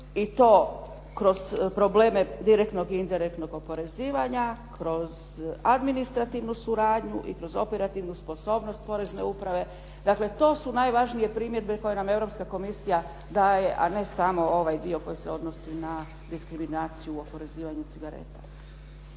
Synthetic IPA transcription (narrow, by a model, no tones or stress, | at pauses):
it̪o̞ː | kɾo̞z̥pɾo̞bleːme̞d̪iɾekt̪no̞ɡint̪eɾek̚t̪no̞ɡo̞po̞ɾe̞ziːʋaɲakɾo̞z | ad̪minist̪ɾat̪iʋnusuɾaːd̪ɲuʔḭkɾo̞zo̞pe̞ɾat̪iʋnuspo̞so̞ːbno̞st̪̚po̞ɾe̞zne̞upɾaʋe̞ | d̪akle̞t̪o̞ːsunajʋaʒnije̞pɾimjed̪beko̞jename̞vɾo̞pskako̞misija | d̪aːje̞ʔa̰ne̞samo̞o̞ʋajd̪io̞ko̞juseo̞d̪no̞sina | d̪iskɾiminaːt̪sijuuo̞po̞ɾe̞ziːʋaɲut̪siɡaɾḛt̪ḁ